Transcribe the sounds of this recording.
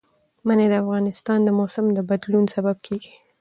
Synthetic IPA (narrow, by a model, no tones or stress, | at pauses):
maned̪əafɣɑnɪst̪ɑnd̪əmosɪmd̪əbad̪lunsabab̚kʰeɡi̥